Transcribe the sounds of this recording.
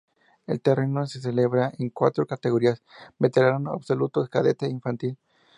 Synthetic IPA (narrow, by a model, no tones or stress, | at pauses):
elt̪e̞renoses̬ele̞βɾaʔeŋkwa̰t̪ɾokat̪eɣo̞ɾiasbet̪eɾalana̰βsolut̪oskaðet̪eiɱfant̪il